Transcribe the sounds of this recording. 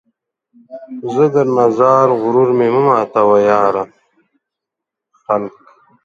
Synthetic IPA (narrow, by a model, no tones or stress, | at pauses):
zəd̪əɾnazaːɾɣʊɾuɾmeməmaːt̪awajaːɾa | xalk